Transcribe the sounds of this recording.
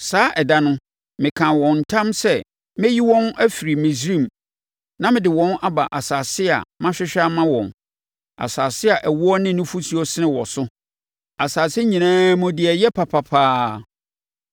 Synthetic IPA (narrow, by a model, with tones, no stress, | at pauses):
saː˦ʔɛ˨da˦nʊ̃˦ | mɪ̃˨kʰã˨wɔ̃˨n̩˨tʰã˦msɛ˦ | mɛ̃˦ji˦wɔ̃˦næ˦fi˨ɾi˨mĩ˨sɾĩ˦˨m | nã˦mɪ̃˨dɪ˨wɔ̃˦na˦ba˨ʔa˨saː˨sɪ˦a̰˨mã˦ɕᶣɪ˦ɕᶣa˦mã˦wɔ̰̃˨n | a̰˨saː˨sɪ˦a˨ʔæ˨wʊ˦ɔ˦nɪ̃˦nʊ̃˦fu˦si˦ɔ˦sɪ˦nɪ̃˦wɔ˨sʊ˦ | a˨saː˨sɪ˦ɲĩ˨nãː˦mʊ̃˦dɪ˨ɛ˨jɛ˦pʰa˨pʰa˨pʰaː˦